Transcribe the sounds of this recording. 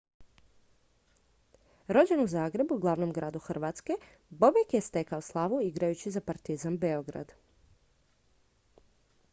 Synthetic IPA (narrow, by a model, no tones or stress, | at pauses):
ɾo̞d͡ʑe̞nuzaːɡɾe̞buɡlˠaʋno̞mɡɾaːd̪uxr̩ʋaːt̪ske̞ | bo̞bekjest̪e̞kaoslˠaʋuiɡɾajut͡ɕizapaɾt̪izambeo̞ɡɾa̰d̪